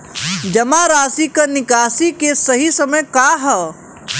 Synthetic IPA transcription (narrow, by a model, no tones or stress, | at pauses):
d͡ʒɐmaɾaːsikɐnɪkaːsikesɐɦisɐməjkaːɦɛ